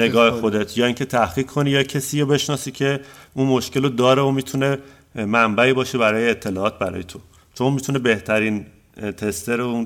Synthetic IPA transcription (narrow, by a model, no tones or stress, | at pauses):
ne̞ɡɒːhexo̞d̪et̪ʰjɒːiŋcʰe̞t̪ʰæhχiːkʰkʰːo̞niːjɒːcʰesiːɾobe̞ʃnɒːsiːcʰe̞unmoʃke̞lod̪ɒːɾeomiːt̪ʰune̞ | mæmbæiːbɒːʃe̞bæɾɒːjeːt̪ʰːe̞lɒːɒːt̪̚bæɾɒ̰ːjet̪ʰo̞ | t͡ʃʰo̞nmit̪ʰune̞be̞ht̪ʰæɾiːn | t̪ʰe̞st̪ʰeɾoun